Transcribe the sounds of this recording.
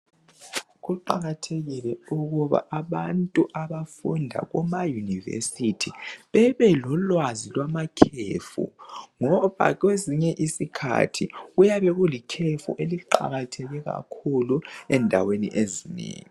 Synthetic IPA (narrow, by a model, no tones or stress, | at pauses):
ɣuǃaɣatʰeɣilɛuɣuβa̰ʔaβantʼuʔaβafundʱa̰ɣɔmajunivɛ̰sitʰiβɛβɛlɔlwazilwamakʰefṵŋɔβa̰ɣweziɲɛʔisikʰa̰tʰiujaβɛɣulikʰefṵʔeliǃa̰ɣatʰɛɣɛɣa̰kʰuluɛndʱa̰wenḭʔezinḛːŋi